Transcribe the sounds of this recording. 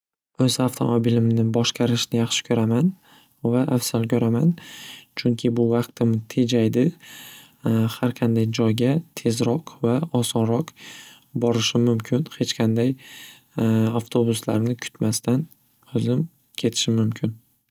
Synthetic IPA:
ɵzaft̪ʰo̞̰mobilɪmnɪbɒʃqʰɑɾɪʃnɪjɑχʃɪ̥kʰɵɾaman | vaʔafsalkʲʰɵɾamant͡ʃʰʊŋkʲʰɪbʊvɑqt̪ɪmt̪ʰe̞d͡ʒajd̪ɪ | haɾqʰɑnd̪ajd͡ʒɒjɡʲat̪ʰe̞zɾɒqvaɒsɒnɾɒq | bɒɾɪʃɪmʊmkʲʰɪnhe̞t͡ʃqʰɑnd̪aj | aft̪ʰo̞bʊsla̰ɾnɪkʰʊ̥t̪mast̪ʰan | ɵzɪm | kʲʰe̞t̪ʰɪ̥ʃɪmʊmkʲʰɪn

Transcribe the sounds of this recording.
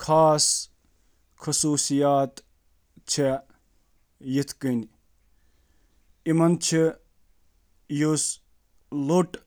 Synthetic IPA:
kʰaːs | kʰɐsuːsijaːt̪ | t͡ʃʰe | jit̪ʰkənʲ | imɐnt͡ʃʰi | jus | loʈ

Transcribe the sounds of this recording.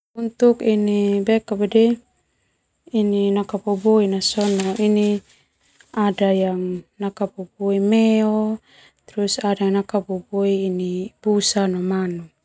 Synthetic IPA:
unt̪ukinibekabedɛ | ininakaboboinasɔnoʔini | adajaŋnakaboboimeo | t̪ɾusadanakaboboiːnib̥usanomanu

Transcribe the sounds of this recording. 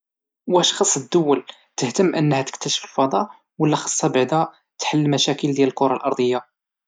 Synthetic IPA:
wæʃxɑsˤːəd̪ːʊwːəl | t̪əht̪əmːʔənːhæt̪əkt̪æʃə̥fəlfɑd̪ˤɑ | wəlːæxɑ̥sˤːɑbaʕd̪æ | t̪ħəlːəmæʃækəld̪jæləlkʊɾˤɑlʔɑɾˤd̪ˤəjːa

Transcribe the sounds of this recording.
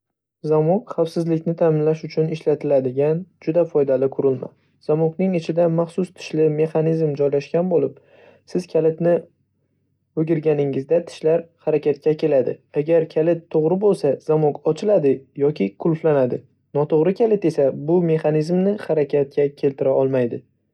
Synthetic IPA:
zamokχafsɪzlɪkʲnɪt̪ʰamɪnlaʃʊt͡ʃʰʊnɪʃlat̪ʰɪlad̪ɪɡʲand͡ʒʊd̪afɒjd̪alɪkʰʊɾɪlma̰ | z̥amoknɪŋɪt͡ʃʰɪd̪amaχsʊst̪ʰɪ̥ʃlɪme̞χanizmd͡ʒɒjlaʃkʲanbolɪp | sɪz̥kʲʰalɪt̪nɪ | ɵɡʲɪɾɡʲanɪŋɪzd̪at̪ʰɪ̥ʃlaɾhaɾakʲʰat̪̚kʲakʲʰe̞lad̪ɪ̰aɡʲaɾkʲʰalɪt̪ʰːoʁɾɪbolˠsaz̥amokɒt͡ʃʰɪlad̪ɪjɒkʲɪkʰʊlˠflanad̪ɪ | nɒt̪ʰoʁɾɪkʲʰalɪt̪e̞sabʊme̞χanizmnɪhaɾakʲat̪̚kʲakʲʰe̞lt̪ʰɪɾaɒlˠmajd̪ɪ

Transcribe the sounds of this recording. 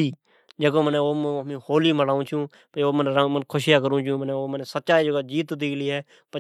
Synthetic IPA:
iː | d͡ʒeːkõːməneoːmmĩhoːliːməɽaːũːt͡ʃʰũː | pəoːmənmənkʰʊʃjaːkəɾũːt͡ʃũːmənẽoːmənesət̪̚ːt͡ʃaːiːd͡ʒəɡaːd͡ʒiːt̪d̪iːliːɦɛː | pə

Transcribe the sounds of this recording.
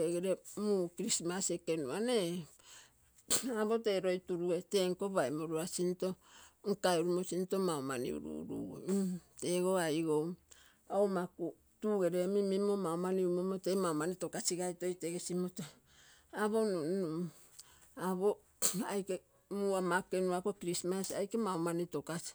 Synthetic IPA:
eɡeɾemukiɾismasekenuane | aβo̞te̞ɾo̞jtuɾueteŋko̞βajmoɾuasinto̞ŋ̩kaeɾumosinto̞maomanḭṵɾṵɾṵḛte̞ɡo̞ajɡow | omaku | tuɡe̞ɾemimimo̞maomaniumomotemaomanito̞kasiɡajto̞jteɡesimoto | aβo̞nunum | aβo | ajke | muamakenuakokɾismasa̰jkemaomanito̞kasi̥

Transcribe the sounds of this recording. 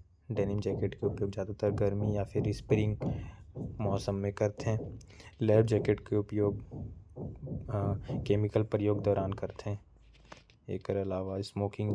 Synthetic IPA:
ɖɛːnɪmd͡ʒɛːkeʈkeʊpjoːɡd͡ʒaːd̪ut̪əɾɡəɾmijapʰɪɾːɪspɾɪ̃ŋɡ | mɔːsəmːẽkɐɾt̪eɦɛ̃ː | lɛːbd͡ʒɛːkeʈkeʊpjoːɡ | keːmɪkəlpɾəjoːɡd̪ɔːɾaːnkɐɾt̪eɦɛ̃ː | ḛːkəɾɐlaːʋasmoːkɪ̃ŋɡ

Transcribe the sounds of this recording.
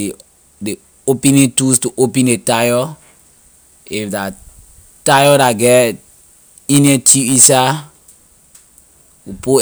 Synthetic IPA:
de | opinĩntustuʔopɛ̃ndetajɔ | ifda | tajɔɾaɡɛ | ĩnetʰuisa | upo

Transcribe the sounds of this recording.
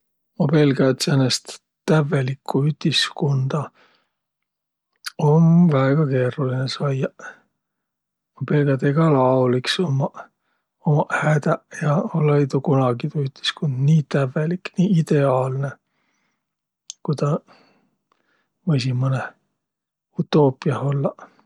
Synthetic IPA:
ope̞lɡɑt̪senːest̪ | t̪ːævelikʰːˑuyt̪ʲiskond̪̥ɑ | onvæeɡ̥ɑke̞ːɾulinesɑjɑ | ope̞lɡ̥jɑt̪eɡ̥ɑlɑoliksomɑ | omɑhæd̪æjɑolːɑjt̪ukunɑɡit̪uyt̪i̥skund̪̥niːt̪ævːelikniːid̪e̞ɑːlne | kujt̪ɑ | vɤjsimːone | ut̪ːˑo̞ːpˑiɑho̞lːɑ

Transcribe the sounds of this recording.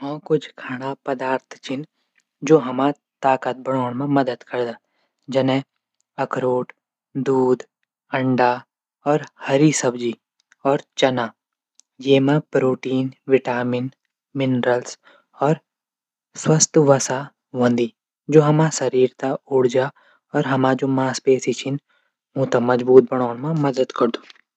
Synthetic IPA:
ɔ̃ːkʊt͡ʃʰkʰaːɽ̃apəd̪aːɾt̪ʰt͡ʃɪn | d͡ʒoːɦɐmã | t̪aːkət̪̚bəɽ̃oːɽ̃mẽməd̪əd̪kɐɾd̪aː | d͡ʒɐnẽ | ɐkɾoːʈ | d̪uːd̪ | ɐ̃ɳɖa | ɔːɾhəɾisəbd͡ʒi | ɔːɾt͡ʃɐnaː | jeːmãpɾoːʈiːnʋɪʈaːmɪn | mɪnɾəls | ɔːɾ | swəst̪ʋɐsa | ʋɐ̃nd̪i | d͡ʒoːɦɐmãsɐɾiːɾt̪aʊɽd͡ʒa | ɔːɾɦɐmad͡ʒoːmaːspeːsit͡ʃʰɪn | mũt̪ãmɐd͡ʒbuːt̪̚bɐɽ̃aːnmãmɐd̪əd̪kɐɾd̪u̥ː

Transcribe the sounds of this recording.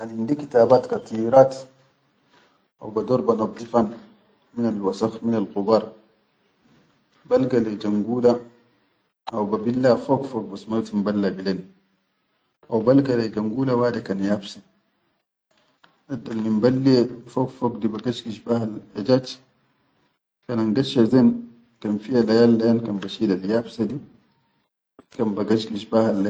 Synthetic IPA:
ʔanindikit̪aːbaːt̪kat̪ˤiɾat̪ | ʔa̰wbad̪oɾbanab̚d̪ifan | minalwasaxminalqubɑɾˤ | balɡaled͡ʒaŋɡuːla | ʔawbabilːafokfok̚basmat̪imbalːabileːn | ʔawbalɡalɛd͡ʒaŋɡuːlawaːdɛkanjafsa | adːalnimbalːiɛfɔkfɔkdibaɡaʃkiʃbahalɛd͡ʒat͡ʃ | kanaŋɡaʃazɛn | kanfialajalːajankambaʃidaljafsadi | kambaɡaʃkiʃbahalːa

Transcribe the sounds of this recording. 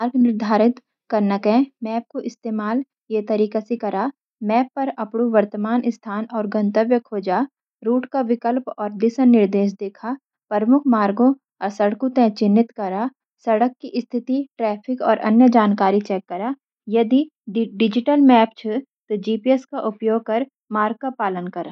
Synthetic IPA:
maːɾɡnɪɾd̪ʱaːɾɪt̪ | kɐɾnəkɦɛ̃mɛːp̚koʔɪst̪eːmaːl | jet̪ɐɾiːkasekɐɾaː | mɛːpːɐɾɐpɽoʋɐɾt̪əmaːnɪst̪ʰaːnɔːɾɡə̃nt̪əʋjəkʰoːd͡ʒaː | ɾuːʈkaʋɪkəlpɔːɾd̪ɪsənnːɪɾd̪eːʃ̬d̪eːkʰa | pɐɾmʊkʰmaːɾɡõ | sɐɽkõt̪ɛ̃t͡ʃɪnːɪt̪kɐɾaː | sɐɽəkːiʔɪst̪ʰɪt̪iʈɾɛːpʰɪkɔ̰ːɾʔɐ̰njəd͡ʒaːnkaːɾit͡ʃɛːkːɐɾaː | jɐd̪i | ɖɪd͡ʒɪʈəlmɛːpt͡ʃʰɐ | t̪od͡ʒiːpiɛskaʔʊpjoːɡ̚kɐɾ | maːɾɡ̚kapaːlənkɐɾaː

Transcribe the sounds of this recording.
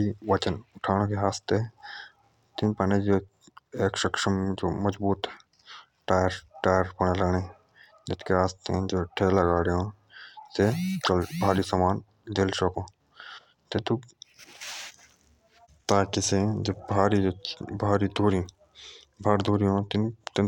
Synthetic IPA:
iʋɐt͡ʃənʊʈʰaːñõkeɦaːst̪e | t̪ĩmpɐned͡ʒoː | eːkʃɐkʃəmd͡ʒoːmɐd͡ʒbuːt̪ | ʈaːjɾʈaːjəɾpɐɳelɐːne | d͡ʒɪt̪keɦaːst̪ẽd͡ʒoːʈʰeːlɐɡaːɾeõ | set͡ʃɐlbʱaːɾisɐmaːn | d̪eːlsokõː | t̪ẽt̪u | t̪aːkisẽd͡ʒebʱaːɾid͡ʒbʱaːɾid̪ʱuːɾĩ | bʱaːɾd̪ʱuːɾiõt̪ɪnt̪ɪ

